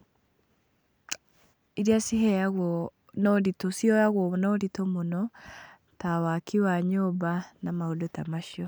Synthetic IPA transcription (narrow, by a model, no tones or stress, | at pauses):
iɾiasiɦɛjaɣwɔ | nɔɾitosiɔjaɣwɔnɔɾitomonɔ | tawakʰiwaɲɔbanamaodotamaʃiɔ